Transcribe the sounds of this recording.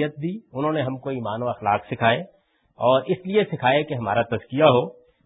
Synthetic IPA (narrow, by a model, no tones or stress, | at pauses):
jət̪̚d̪iːʊnɦõːneɦɐmkoiːmaːnoɐxlaːqsɪkʰaːe | ɔːɾɪsliesɪkʰaːekeɦɐmaːɾat̪ɐzkijaɦoː